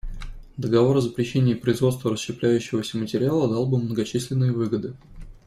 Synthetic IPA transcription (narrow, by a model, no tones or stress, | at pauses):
d̪əɡɐvo̞ɾəzəpɾʲɪɕːenʲɪjːpɾəɪzvot̪st̪vəɾəsɕɪplʲæjʉɕːɪvəsʲəmətʲɪɾʲɪalˠəd̪ɑlˠbɨmnəɡɐt͡ɕisʲlʲɪnːɨjəvɨɡəd̪ɨ